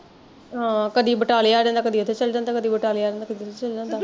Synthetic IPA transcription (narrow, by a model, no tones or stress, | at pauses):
ɦãːkəd̪iːbəʈaːleaːdɛ̃nd̪aːkəd̪iːət̪ʰeːt͡ʃəld͡ʒãnaːkəd̪iːbəʈaːlːaːɾẽːnd̪aːkəd̪iːt̪ʰet͡ʃəld͡ʒãːnd̪aː